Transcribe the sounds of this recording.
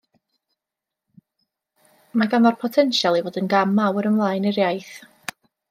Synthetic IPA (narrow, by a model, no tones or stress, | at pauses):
maɡanɔrpʰɔtʰɛnʃalˠivoːdənɡamawəɾəmlˠaːjnɪɾjajθ